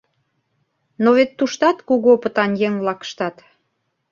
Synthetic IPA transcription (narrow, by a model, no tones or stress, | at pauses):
noβet̪ːuʃt̪ɑt̪kuɣopə̆t̪ɑnjeŋβlɑkə̥ʃt̪ɑt̪